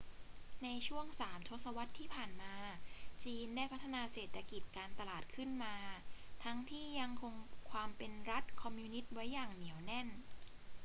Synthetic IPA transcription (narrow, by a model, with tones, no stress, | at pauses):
na˧jt͡ɕʰu˥˩əŋsaː˩˦mt̪ʰo˦˥t̪̚sa˧wa˦˥t̪ʰːiː˥˩pʰaː˨˩nmaː˧t͡ɕiː˧ndaː˥˩jpʰa˦˥t̪ʰːa˧naː˧seː˨˩t̪ʰːa˧ki˨˩t̪̚kaː˧nt̪a˧laː˨˩t̪̚kʰɯ˥˩nmaː˧t̪ʰa˦˥ŋt̪ʰiː˥˩ja˧ŋkʰo˧ŋkʰwaː˧mpe˧nɾa˦˥t̪̚kʰɔ˧mjuː˧ni˦˥t̪̚wa˦˥jːaː˨˩ŋni˩˦əwnɛ˥˩n